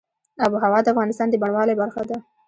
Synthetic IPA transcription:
abuɦawɑd̪əafɣɑnɪst̪ɑnd̪əbaɳwɑlebaɾxad̪a

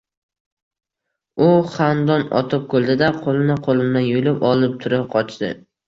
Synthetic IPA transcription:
ʊχand̪ɒnɒ̰t̪ʰɪp̚kʰɵlˠd̪ɪd̪aqʰolˠɪnɪqʰolˠɪmd̪anjolɪpɒlˠɪp̚t̪ʰʊɾɪp̚qʰɒt͡ʃd̪ɪ̰

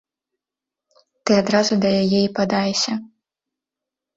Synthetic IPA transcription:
t̪ɨad̪ɾazud̪ɐjajɛipad̪ajɛsʲɐ

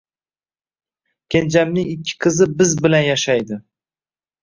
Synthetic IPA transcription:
kʲʰe̞nd͡ʒamnɪŋɪkʲʰːɪ̥qʰɨzɪbɪzbɪlanjaʃajd̪ɪ

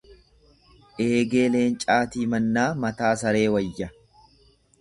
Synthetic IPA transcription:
ʔe̞ːɡe̞ːle̞ːnt͡ʃʼaːt̪iːmɐnːaːmɐt̪aːsɐɾe̞ːwɐjːɐ

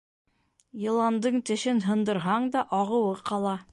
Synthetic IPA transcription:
jɤ̆lˠɑnd̪ɤɴt̪ɘ̆ʃɘnɦɤ̆nd̪ɤ̆ɾɦɑɴd̪ɑʔɑʁɤ̆wɤqɑlˠɑ

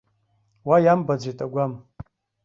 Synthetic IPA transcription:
wajambad͡zʷejtʼaɡʷam

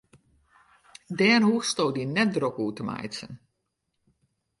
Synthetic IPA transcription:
dɛːnɦuːstoːdinɛt̚drokuːtəma̰jsə̰n

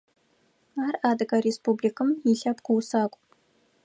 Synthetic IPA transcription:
aːrʔaːdɨɣɐɾeːspuːblikʰɨmiɬɐpqʊwsaːkʷʼ

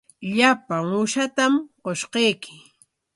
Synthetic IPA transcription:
ʎapaŋʊʃat̪amqoʃqejkʰɪ̥

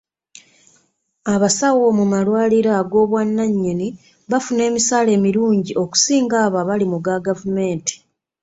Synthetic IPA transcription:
aβasawo̞mumalwaːliɾaɡo̞ːβwanːaɲːeni | βafune̞ːmisaːle̞ːmiɾuːɲɟiʔo̞ku̥siːŋɡaːβaβalimuɡaɡavume̞ːnti̥

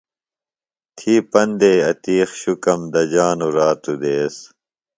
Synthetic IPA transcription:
t̪ʰiːpɐnd̪eːɐt̪iːxɕukɐmd̪ɐd͡ʑaːnuɾaːt̪ud̪eːs

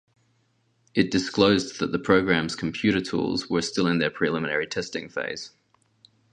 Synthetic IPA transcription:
ʔɪt̚d̥ɪskləʊzðəʔ̪̚ðəpʰɹ̥əʊɡɹæ̃mz̥kʰə̃mpʰj̥ʉˑɾətʰṵːlˠzwəstɪlˠɪ̃nðəpʰɹ̥ilɪmənə̰ɹitʰɛstɪ̃ŋfḛɪz̥

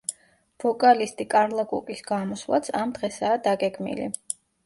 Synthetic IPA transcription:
v̥ɔkʼalist̪ʼikʼaɾlˠakʼṵkʼisɡ̥amɔslˠa̰t̪sʰamd̪̥ʁɛsaːd̪aɡɛɡmḭlḭ

